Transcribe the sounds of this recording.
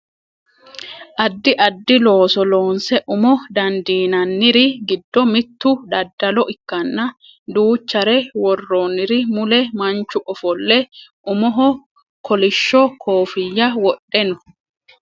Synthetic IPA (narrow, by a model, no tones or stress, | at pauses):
ʔɐd̪ːɪʔɐd̪ːɪlo̞ːsɔlo̞ːnsɛʔʊmɔd̪ɐnd̪iːnɐnːɪɾɪɡɪd̪ːɔmɪt̪ːʊdɐd̪ːɐlɔʔɪkːɐnːɐ | d̪uːt͡ʃːɐɾɛwɔrːonːɪɾɪmʊlɛmɐnt͡ʃːʊʔɔfɔlːɛʔʊmɔɦɔ | kʰɔlɪʃːɔkʰoːfɪjːɐwɔɗːɛnɔ